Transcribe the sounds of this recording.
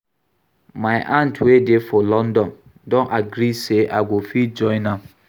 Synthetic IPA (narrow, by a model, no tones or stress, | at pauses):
mãɪʔãntʰwedefɔlɔ̃ndɔ̃n | dɔ̃nʔaɡɾiseʔaɡʷofid͡ʒɔ̃ɪ̃nã